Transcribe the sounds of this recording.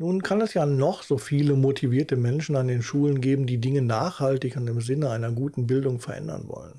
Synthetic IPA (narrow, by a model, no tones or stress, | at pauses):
nuːnkʰanɛsjaːnɔχz̥oːfiːləmotʰiviːɐtəmɛnʃn̩andeːnʃuːlənɡeːbm̩diːdɪŋənaːχhaltɪçʊntɪmzɪnəʔaɪnɐɡuːtn̩bɪldʊŋfɛɐʔɛ̰ndɐ̰nvɔ̰lə̰n